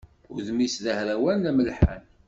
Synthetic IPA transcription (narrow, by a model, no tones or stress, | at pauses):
ʊɾðmisðəhɾæwænæməlħa̰n